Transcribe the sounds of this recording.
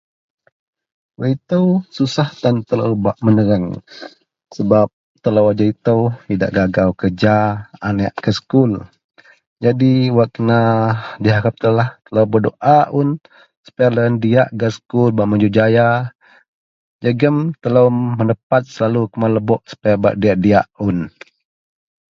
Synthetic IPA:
wəit̪əwsusaht̪ant̪ələ̰wbaʔmənəɾəŋ | səbap̚ | t̪ələwad͡ʒait̪əwhida̰ʔɡaɡawkəd͡ʒaanɛʔkəsə̥kul | d͡ʒadiwakənadiɦaɾap̚t̪əlaht̪ələwbədoʔaʊn | sə̥pɛləəndiaʔɡasə̥kulbaʔməd͡ʒud͡ʒaja | d͡ʒəɡəmt̪ələwmənəpat̪̚səlalukəmaləbɔʔsə̥paaba̰ʔdiaʔdiaʔʊn

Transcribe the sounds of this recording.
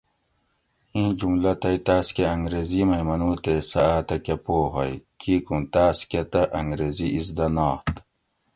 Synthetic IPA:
ĩːd͡ʑumlɐt̪ɐjt̪aːskeɐŋɡɾezimɐimɐnuːt̪esɐaːt̪ɐkɐpoːɦɐ̰jkʰiːkũt̪aːskɐt̪ɐʔɐŋɡɾeːziisd̪ɐnaːt̪

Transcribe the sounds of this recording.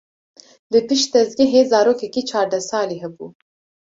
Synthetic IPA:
d̪ɨpiʃt̪ɐzɡeɦezɑːɾoːkekit͡ʃʰɑːɾd̪ɐsɑːliɦɐbṵ

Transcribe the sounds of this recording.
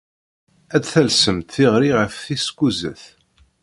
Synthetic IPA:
æt͡sθælsəmt̪θiʁɾiʁəfθiskuzə̰θ

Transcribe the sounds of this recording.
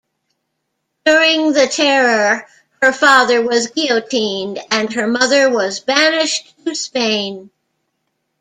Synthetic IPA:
d̥ʊɹɪ̃ŋðɨtʰɛɹə˞ | hə˞fɑðə˞wʌzɡioʊtʰĩndɨ̃nə˞mʌðə˞wʌzbænɪʃtʰɨspẽɪ̃n

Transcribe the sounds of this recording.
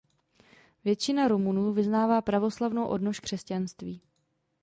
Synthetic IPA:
vjɛt͡ʃɪnaɾomunuːvɪznaːvaːpɾavo̞slavno̞wʔo̞̰dno̞ʃkr̥ɛscanst̪viː

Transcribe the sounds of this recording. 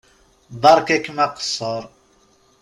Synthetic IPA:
d̪ˤɑɾˤkækmæqsˤəɾˤ

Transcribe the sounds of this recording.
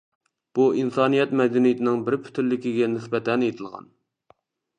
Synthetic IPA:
b̥uʔinsɑːnijɛt̪mɛd̪ɛnijɪt̪ʰɪnɪŋbɪɾpʰy̥t̪ʰylːɪkʲiɡʲɛnɪsbɛt̪ʰɛnjet̪ʰɨlˠʁɑ̰n

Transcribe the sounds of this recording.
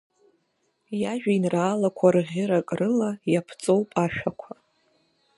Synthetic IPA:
jaʒᶣainraːlakʷʰarʁʲɪɾakʼrɨlajapʰt͡sʼo̞wpʼaʃᶣakʷʰa

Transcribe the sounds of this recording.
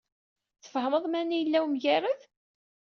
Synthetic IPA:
θə̥fhəməðˤmænijəlːæwmʝæɾəð

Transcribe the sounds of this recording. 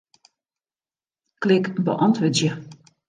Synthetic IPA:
klɪkbə̰ʔɔntʋədjə

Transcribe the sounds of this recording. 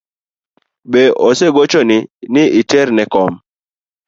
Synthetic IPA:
beʔoseɡot͡ʃonɪnɪʔɪtɛɾnɛkɔm

